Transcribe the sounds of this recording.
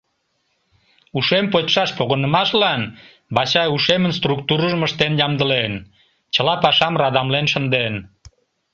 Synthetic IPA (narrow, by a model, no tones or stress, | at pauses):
uʃempotʃɑʃpoɣənəmɑʃlɑn | bɑɕɑuʃemənst̪ruk̚t̪uɾəʒməʃt̪enjɑmd̪əlen | t͡ɕəlɑpɑʃɑmrɑd̪ɑmlenʃə̆nd̪en